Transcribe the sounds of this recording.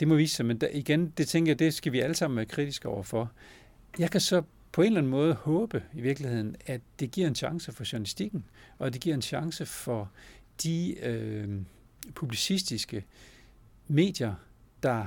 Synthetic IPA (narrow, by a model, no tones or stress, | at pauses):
d̥e̝mɒʋḭːssɑmeniɡ̥end̥e̝t͡sʰeŋɡɐjad̥e̝sɡ̥æʋiæləsɑ̈m̰n̩ʋæːɐkʰʁid̥isɡ̥ɒʊ̰ɐfɒ̽ | jɑ̈ɪkʰæsɒ̽ | pʰɒ̽e̝nlæn̩mɔ̽ːð̞ˠhɔ̽ːb̥əiʋiɐɡ̥lihe̝ð̰ˠn̩ædd̥e̝ɡ̥ḭɐ̰e̝nɕɑ̈ŋsəfɒ̽ɕunælisd̥iɡ̥n̩ɒ̽d̥e̝ɡ̥iɐ̰e̝nɕɑ̈ŋsəfɒ̽d̥iø | pʰub̥lisisd̥isɡ̥ə | me̝̰ːd̥jɐ | d̥ɑ̈